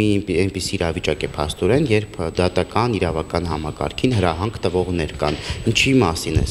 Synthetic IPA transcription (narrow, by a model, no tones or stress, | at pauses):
iɛnpisiːɾɑvit͡ʃɑkɛpʰɑst̪ɔɾɛnjɛɾpʰd̪ɑt̪ɑkɑniɾɑvɑkɑnhɑmɑkɑ̰ɾkʰinɦəɾɑɦɑŋkʰt̪əvɔʁnɛɾkɑ̰nint͡ʃʰimɑsinɛ̰